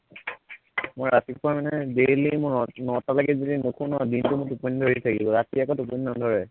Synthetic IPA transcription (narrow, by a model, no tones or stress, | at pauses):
mojɹatipʊɹamanɛdelimʊnɔtalaɡɛzodinukʰunɔadintʊmʊtuponidʱoɹitʰakibɔɹatiakɔtup̬ɔninandʱɔɹɛ